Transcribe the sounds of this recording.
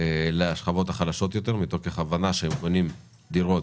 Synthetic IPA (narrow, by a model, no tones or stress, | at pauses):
eleaʃχavo̞t̪aχalaʃo̞t̪jo̞t̪e̞ʁmit̪okeχavanaʃeemko̞nim | d̪iʁo̞t